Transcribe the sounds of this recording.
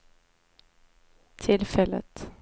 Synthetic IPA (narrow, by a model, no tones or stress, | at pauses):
t̪ʰɪlfɛlːə̰t̪